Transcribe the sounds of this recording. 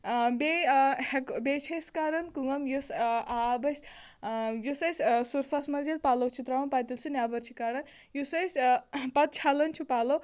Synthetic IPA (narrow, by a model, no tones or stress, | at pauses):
behekbet͡ʃʰɐjskaːɾɐnkuŋɡɐmjusaːbɐs | jusɐsʲsuɾfʰɐsmɐzid̪̚paːlɐwt͡ʃʰut̪ɾawɐnpaːt̪ilsunʲjaːbɐɾt͡ʃʰikaɾɐn | jusɐjspɐt̪̚t͡ʃʰalɐnt͡ʃʰupaːlɐw